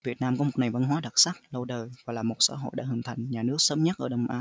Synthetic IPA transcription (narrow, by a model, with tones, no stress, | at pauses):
vi˨˩ət̚naː˧mkɔ˨˦mo˨˩t̚ŋa˨˩jva˧nɦwaː˨˦ɗa˨˩t̚saː˦˥k̚lə˧wɗəː˨˩jvaː˨˩laː˨˩mo˨˩t̚sa̰ː˧˦ɦo̰˧˨jɗa̰ː˧˥ɦɨ˧˩ŋt̪ʰa˨˩jŋ̟ɲaː˨˩nɨ˦˥ək̚sə˨˦mɲə˦˥t̚ʔəː˧˩ɗə˨˧˩wŋ͡mʔaː˨˧˦